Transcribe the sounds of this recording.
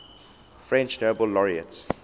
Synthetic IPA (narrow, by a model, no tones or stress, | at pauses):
fɹɛ̃nt͡ʃnobəlːɔɹiə̰ts